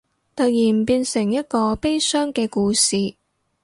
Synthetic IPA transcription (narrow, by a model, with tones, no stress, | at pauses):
t̪ɵ˨˧jiː˨˩m̩˨˩piː˧nsɪ˨˩ŋjɐ˥t̚kɔː˧pe˥jsœː˥ŋkɛː˧kuː˧siː˨